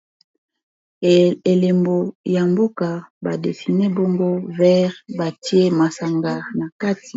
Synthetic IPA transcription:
e˨le˨mbo˨ja˨mbo˦ka˨ba˨de˨si˨ne˦bo˦mbo˦vɛ˦ʁba˨ti˦e˦ma˨sa˨ŋɡa˨na˨ka˦ti̥˨

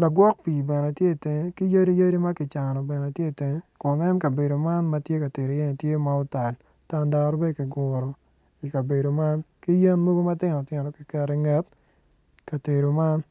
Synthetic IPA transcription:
la˨ɡwɔ˦k̚pi˨bɛ˨nɛ˨tje˦˨tɪ˨ŋe˦ki˦ja˦di˦ja˦ɾi˦ma˦kɪ˨t͡ʃa˨nɔ˨bɛ˨nɛ˨tje˦˨te˨ŋe˦kʊ˨nɛ˦mka˨be˨do˨ma˦nma˨˦tje˦ka˨te˨ɾo˨jɛ˦n˨tje˦ma˦ɔ˦ta˨l | ta˦nda˦ɾbe˦dkɪ˨ɡɔ˨ɾɔ˨ | i˨ka˨be˨do˨ma˦nki˦je˦nmo˦ɡo˦ma˦tɪ˦nɔ˨tɪ˨nɔ˨kɪ˨kɛ˨ɾɛ˦ŋɛ˦t̚ | ka˨te˨ɾo˨ma˦n

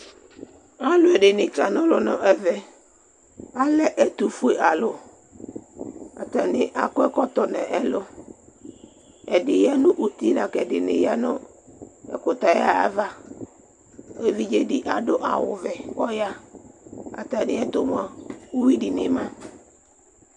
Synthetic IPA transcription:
a˦lʊ˨ɛ˨dɪ˨nɪ˨ka˨nʊ̃˦lʊ˦nʊ̰̃˦ʔɛ˨vɛ˨ | a˦lɛ˦ʔɛ˨t̪u˨fu˦e˨ʔa˨lʊ˨ | a̰˨ta˨nɪ˨ʔa˨kʊ˦ɛ˦kɔ˦t̪ɔ˨nɛ̰˨ʔɛ˦lʊ˦ | ɛ˨dɪ˨ja˦nʊ̃˦ʔu˦t̪i˦na˨kɛ˨dɪ˨nɪ̰˨ja˦nʊ˦ | ɛ̰˨kʊ˨t̪a˨ja̰˦a̰˦va˦ | e˨vi˦d͡ʒe˦di˦ʔa˨dʊ˦ʔa̰˨wʊ̰˨vɛ˨ɔ˦ja˦ | a̰˨ta˨nɪ˨˦ɛ˦t̪ʊ˨mʊ˨a˨u˦wi˦di˨nɪ˦mã˦

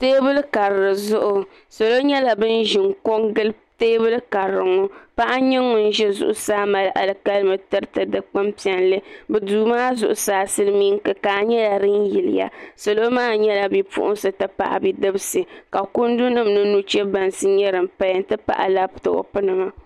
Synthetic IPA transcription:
teː˦bɨ˦lka˨ɾɾɨ˨zʊ˦ʔʊ˨ | so˨lo˦ɲɛ˦la˨bɨ˦n˦ʒi˨ŋko˦ŋɡɨ˦l | teː˦bɨ˦lka˨ɾɨ˨ŋʊ˦pa˦ʔa˦ɲɪ˦ŋːʊ˨n̩˦ʒɛ˦zʊ̰˦ʔʊ˦saː˦ma˨lʔa̰˨lɨ˨ka˦lmɨ˨tɨ˦ɾɨ˦tɨ˨dɨ˦k͡pɨ˦mpi˨ɛ˨nlɨ˦bɨ˨duː˨˦maː˦zʊ˨ʔʊ˦saː˦sɨ˦lmiː˦ŋkɨ˨kaː˨ɲɛ˦la˨ɾɨ˦njɪ˨lɪ̰˨ja̰˨so˨lo˦maː˦ɲɛ˦la˨bi˦pṵ˦ʔʊ̰˦nsɨ˨tɨ˦pa̰˨ʔa̰˨bi˦dɨ˦bɨ˦sɨ˨ka˨ku˦n˦du˦nɨ˦mnɨ˦nu˦t͡ʃɛ˦ba˨nsɨ˦ɲɛ˦ɾɨ˨mpa˦jn˦tɨ˦pa̰˦ʔa̰˨la˦btɨ˨o̰˨pɨ˦nɨ˨ma˦

